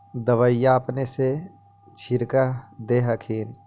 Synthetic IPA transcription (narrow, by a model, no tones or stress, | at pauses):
d̪əʋəjapnese | t͡ʃʰiɾkad̪eɦəkʰiːn